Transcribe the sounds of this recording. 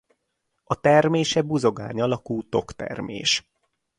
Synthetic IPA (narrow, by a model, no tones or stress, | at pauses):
ɒt̪ɛrmeːʃɛbuzo̞ɡa̰ːɲɒlɒkuːt̪o̞kt̪ɛ̰rmḛːʃ